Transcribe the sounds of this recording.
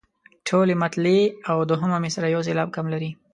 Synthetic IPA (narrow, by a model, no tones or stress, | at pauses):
ʈʰolemat̪leawd̪oɦəmamesaɾajawselɑb̚kamlaɾi